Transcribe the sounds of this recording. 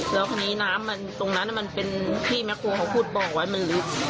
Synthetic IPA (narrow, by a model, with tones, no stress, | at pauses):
lɛː˦˥wkʰaː˧niː˦˥naː˦˥mːa˧nt̪o˧ŋna˦˥nːa˧˥˩ma˧npe˧nt̪ʰiː˥˩mɛ˦˥k̚ʰːoː˧kʰa˧˥wpʰuː˥˩t̪̚bɔː˨˩k̚wa˦˥jma˧nlɯ˦˥